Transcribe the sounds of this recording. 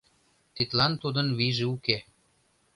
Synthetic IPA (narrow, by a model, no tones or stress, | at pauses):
t̪it̪lɑnt̪ud̪ənβiʒĕuke